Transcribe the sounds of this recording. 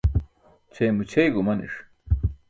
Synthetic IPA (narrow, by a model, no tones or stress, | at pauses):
t͡ɕʰejmut͡ɕʰejɡumɐnḭʂ